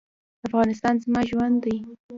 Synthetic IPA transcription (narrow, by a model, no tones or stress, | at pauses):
afɣɑnɪst̪ɑnzmɑʒwand̪aj